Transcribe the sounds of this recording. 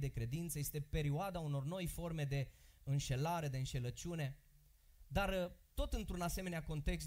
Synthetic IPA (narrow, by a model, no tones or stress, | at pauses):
d̪e̞kɾe̞d̪int̪səje̞st̪e̞pe̞ɾioad̪auno̞rno̞jfo̞rme̞d̪e̞ɨnʃe̞laɾe̞d̪eɨnʃe̞lət͡ʃune̞ | d̪art̪o̞t̪ɨnt̪ɾunase̞meneako̞nt̪e̞ks